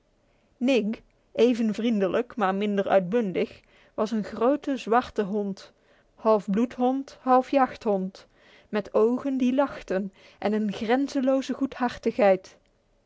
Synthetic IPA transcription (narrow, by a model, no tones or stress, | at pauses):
nɪɡ | ʔejvənvrindələkmaːɹmɪndəɹœ̰ɥd̚bɵndɪx | ʋɑsənχrowtəzʋɑɹtəɦɔnt | hɑlˠfblutɦɔnthɑlˠfjɑχtɦɔnt | mɛtowχəndilɑχtən | ʔɛnənχrɛnzəlowzəχutɦɑɹtəxɦɛjt